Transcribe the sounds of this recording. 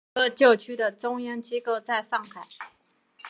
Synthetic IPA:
ə˥˩t͡ɕjo˥˩ʊt͡ɕʰy˥d̪ə˨ʈ͡ʂʊ˥ŋjɑ˥nt͡ɕi˥ko˥˧ʊt͡sa˥˧ɪʂɑ˥˩ŋxa˨˩˦ɪ

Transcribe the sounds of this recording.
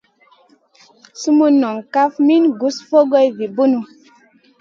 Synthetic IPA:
su˦mu˦nɔ˨ŋka˦fmi˦nɡu˨˦sfo˦ɡɔ˦jvi˨bu˦nu˨

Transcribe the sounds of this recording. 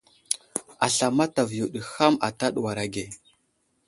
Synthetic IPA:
a˨ɬa˨ma˦ta˨vju˨ɗə˨xa˦ma̰˨ta˦ɗwa˨ɾa˨ɡe˨

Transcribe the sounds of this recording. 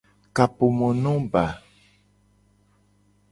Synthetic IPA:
ka˨po˨mɔ̃˨nɔ̃˦ba˨

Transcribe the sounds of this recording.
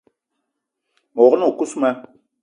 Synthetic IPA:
mɔ˨ɣno˨ku˦smɛ˦

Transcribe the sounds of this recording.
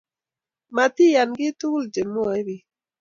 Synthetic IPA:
ma˨t̪i˦ja˨nɡɪ˦t̪u˦ld͡ʒe˨mu˦a˨˦ɾi˨

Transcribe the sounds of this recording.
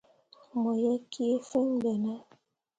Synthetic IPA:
mɔ˨jɛ˦ki˦e˦fe˦ŋ˦bɛ˨na˦

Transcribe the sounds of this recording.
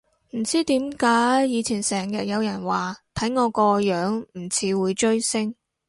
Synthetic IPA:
m̩˨˩t͡siː˥t̪iː˨˥mkaː˨˥jjiː˨˧t͡sʰiː˨˩nsɛː˨˩ŋjɐ˨t̚jɐ˨˧wjɐ˨˩nwaː˨˩t̪ʰɐ˨˥jŋɔː˨˧kɔː˧jœː˨˥ŋm̩˨˩t͡sʰiː˨˥wuː˨˧jt͡ʃɵ˥ɥsɪ˥ŋ

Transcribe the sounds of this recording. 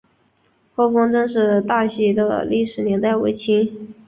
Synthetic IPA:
xo˥˩ʊfɤ˥ŋʈ͡ʂɤ˥ŋʂ̬ɻ̩˥˧t̪a˥˩ɕɛ˧˥d̪ə̰˧li˥˩ʂɻ̩˨˩njɛ˧˥nt̪a˥˩ɪwe˧˥ɪt͡ɕʰi˥ŋ

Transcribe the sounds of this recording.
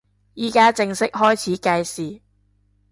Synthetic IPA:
jiː˨˩kaː˥t͡sɪ˧ŋsɪ˥k̚ɦɔː˥jt͡sʰiː˨˥kaː˧jsiː˨

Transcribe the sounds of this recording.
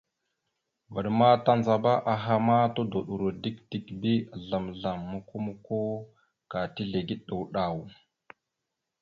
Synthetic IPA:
və˨ɗma˦ta˦nza˨ba˦ʔa˨ɦa˦ma˦to˦do˨ɗu˨ɾo˨di˦k̚di˦kbi˦˨ɮa˨mɮa˨mːu˨ku˦mu˦ko˦ | ka˨ti˦ɮe˨ɡi˦ɗɗə˨wɗa˨w

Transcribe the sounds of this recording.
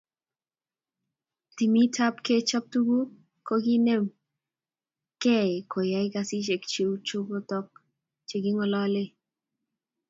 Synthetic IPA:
ti˨mi˦tʰa˦pke˦t͡ʃɔ˦p̚tu˦ɡu˦ | ko˦ɡi˦ne˦m | kɛ˦˨ko˨ja˨ɪ˦ka˧si˦t͡ʃe˨kt͡ʃe˨wu˦t͡ʃo˦ɡo˦tɔ˦k̚ | t͡ʃe˨ɡi˦ŋɔ˨lɔ˦le˦

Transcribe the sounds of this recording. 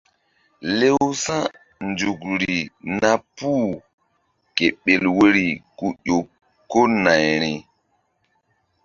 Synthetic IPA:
le˦wwsã˦ | nd͡ʒu˨kɾi˨na˦pu˦ | ke˨ɓe˨lwe˦ɾi˨ku˦ɗo˨ | ko˦na˨jɾi˨

